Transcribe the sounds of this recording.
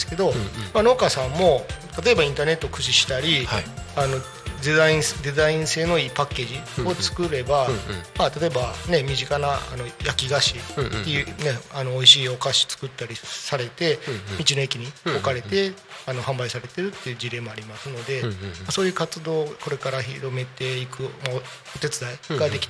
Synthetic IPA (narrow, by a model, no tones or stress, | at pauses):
sɨ̥ke̞d̪o̞mano̞ːkasãmːo̞t̪at̪o̞e̞baĩnt̪ane̞t̪ːoːkɯ̟ɕiɕi̥t̪aɾʲihano̞ | d̪eaĩsd̪e̞zaĩɰ̃se̞ːno̞iːpakːe̞ːʑio̞t͡sɨ̥kɯ̟ɾe̞bamat̪at̪o̞e̞bane̞mʲiʑikanaa̰no̞jakʲiɡaɕiːe̞jɯ̟ne̞ano̞oiɕiːo̞kaɕi̥t͡sɨ̥kɯ̟t̪ːaɾʲisaɾe̞t̪e̞mʲit͡ɕino̞ekʲiɲ̟io̞kaɾe̞t̪e̞ano̞hãmbaisaɾe̞t̪e̞ɾɯ̟t̪ːe̞jɯ̟ːd͡ʑiɾe̞ːmo̞aɾʲimasɨno̞d̪e̞maso̞ːjɯ̟ːkat͡sɨd̪o̞ːko̞ɾe̞kaɾaçiɾo̞me̞t̪e̞ikɯ̟ma | o̞t̪e̞t͡sɨd̪aiɡad̪e̞kʲi̥